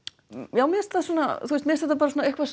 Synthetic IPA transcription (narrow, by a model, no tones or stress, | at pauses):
jaːwmɛðɛst̪ɛðsuːnaθust̪mɛst̪ɛht̪apaɾs̬uːnaehkvas